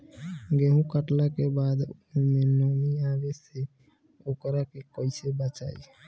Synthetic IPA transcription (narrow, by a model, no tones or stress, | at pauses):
ɡeɦũkəʈlakebaːd̪ | mẽnɔːmiaːɡese | oːkəɾakekoisebət͡ʃa̰ːi